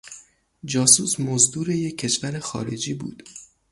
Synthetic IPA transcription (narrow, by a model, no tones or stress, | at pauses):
d͡ʒɒːsuːsmozd̪uːɾejecʰːe̞ʃvæɾexɒ̰ːɾḛd͡ʒiːbṵːd̪̥